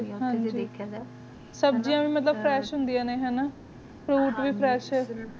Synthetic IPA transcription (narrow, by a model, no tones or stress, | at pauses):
ɦãːɲd͡ʒi | səbd͡ʒiãːʋiːmət̪ləb̚pʰɾɛːʃɦʊnd̪ijãːneːɦɛːnaː | pʰɾuːʈʋiːpʰɾɛːʃɦɛː